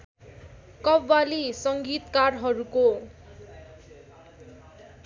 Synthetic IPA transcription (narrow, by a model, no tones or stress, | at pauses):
kʌbːalisʌŋɡit̪karɦʌɾuko